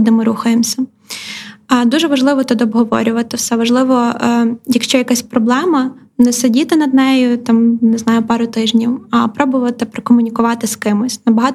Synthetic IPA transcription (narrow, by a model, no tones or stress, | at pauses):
d̪ɪmɪɾuxɐjemsʲɐ | ɐd̪uʒɛʋɐʒlˠɪʋɔt̪ʊd̪ɔbɦɔʋɔ̰ɾʲʊʋɐt̪ɪwsɛʋɐʒlˠɪʋɔjɐkʃt͡ʃɔjɐkasʲpɾɔblˠɛmɐ | nɛsedʲit̪ɪnɐd̪̚nɛjʊt̪ɑmnɪznɑjʊpɑɾʊt̪ɪʒnʲiwɐpɾɔbʊʋɐt̪ɪpɾekɔmʊnʲikʊʋɑt̪ɪskɪmɪsʲnɐbɐɦɑt̪